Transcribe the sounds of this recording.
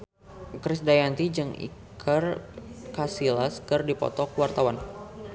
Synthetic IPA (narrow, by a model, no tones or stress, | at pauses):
kɾɪsdajant̪id͡ʒɨŋḭkʰərkasilaskərdipɔ̰t̪ɔkəwart̪awan